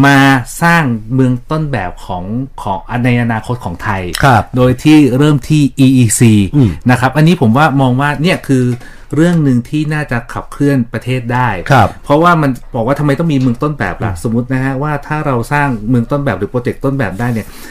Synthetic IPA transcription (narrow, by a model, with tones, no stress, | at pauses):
maː˧saː˥˩ŋmɯ˧əŋt̪o˥˩nbɛː˨˩p̚kʰɔː˩˦ŋkʰɔː˩˦ŋʔa˧nːa˧jʔa˧naː˧kʰo˦˥t̪̚kʰɔː˩˦ŋt̪ʰa˧jkkʰa˦˩doː˧jt̪ʰiː˥˩ɾɤː˥˩mt̪ʰiː˥˩ʔiː˧ʔiː˧siː˧na˦˥kʰa˦˥p̚ʔa˧nːiː˦˥pʰo˩˦mwaː˥˩mɔː˧ŋwaː˥˩ni˦˥˩ɐkʰɯː˧ | ɾɯ˥˩əŋnɯ˧ŋt̪ʰiː˥˩naː˥˩t͡ɕa˨˩kʰa˨˩p̚kʰlɯ˥˩ənpɾa˧t̪ʰeː˥˩t̪̚daː˥˩jkʰa˦˧˩ppʰɾɔ˦˥waː˥˩ma˧nbɔː˨˩k̚waː˥˩t̪ʰa˧ma˧jt̪ɔ˥˩miː˧mɯ˧əŋt̪o˥˩nbɛ̰ː˨˩p̚la̰˨˦so˩˦mːu˦˥t̪̚na˦˥kʰa˦˥waː˥˩t̪ʰaː˥˩ɾa˧wsaː˥˩ŋmɯ˧əŋt̪o˥˩nbɛː˨˩p̚ɾɯː˩˦pɾoː˧t͡ɕe˨˩k̚t̪o˥˩nbɛː˨˩p̚daː˥˩jni˥˩ə